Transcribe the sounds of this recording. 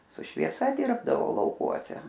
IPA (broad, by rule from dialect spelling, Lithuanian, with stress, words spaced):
sʊ ʃʲʋʲiɛˈsɐ ˈdʲɪrbdɐʋoː lˠɐʊˈkuɔsʲɛ